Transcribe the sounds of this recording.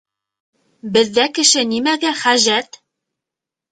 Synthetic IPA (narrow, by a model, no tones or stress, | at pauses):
bɘ̆ðːækɘ̆ʃɘnimæɡæχæʒæt̪